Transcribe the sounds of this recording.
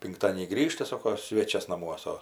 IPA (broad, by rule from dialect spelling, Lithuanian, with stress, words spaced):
pʲɪŋkˈtɑːdʲiɛnʲiː ˈɡrʲiːʃtɐ ˈsoːkoː ˈsʲʋʲeːt͡ʃʲɛs nɐˈmuɔsɐ